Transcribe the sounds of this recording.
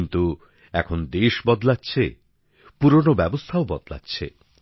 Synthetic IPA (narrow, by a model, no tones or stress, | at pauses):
nt̪u | ɛkʰond̪eʃbɔd̪latːɕʰe | puɾonobɛbost̪ʰaobɔd̪la̰tːɕʰḛ